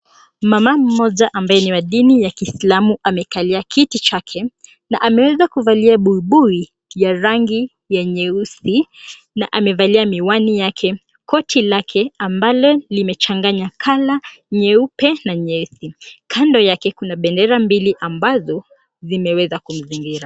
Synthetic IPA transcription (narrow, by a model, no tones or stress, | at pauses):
mamam̩mɔʄaʔambajɛniwaɗinijakislamuʔamɛkaliakʰitit͡ʃakʰɛ | naʔamɛwɛzakuvaliaɓuiɓui | jaɾaŋɡi | jaɲɛusi | naʔamɛvaliamiwanijakʰɛ | kɔtʰilakʰɛambalɔlimɛt͡ʃaŋɡaɲakʰalaɲɛupɛnaɲɛsikʰandɔjakɛkunaɓɛndɛɾambiliʔambazɔ | zimɛwɛzakum̩ziŋɡiɾa